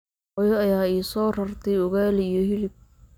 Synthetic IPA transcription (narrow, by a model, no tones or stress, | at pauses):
ɔjɔɐjaːiːsɔːrɐrt̪ʰɛjʊɣaːlijɔhɪlɪb̚